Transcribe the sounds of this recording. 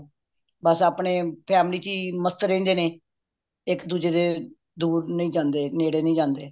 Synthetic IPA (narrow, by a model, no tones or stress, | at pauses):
bəsaːpɳeːpʰɛːmliːt͡ʃiːməst̪ɾẽːnd̪eːneː | ɪkd̪uːd͡ʒeːd̪eː | d̪uːɾnəĩːd͡ʒãːnd̪eːneːɽeːnə̃ĩːd͡ʒãːnd̪eː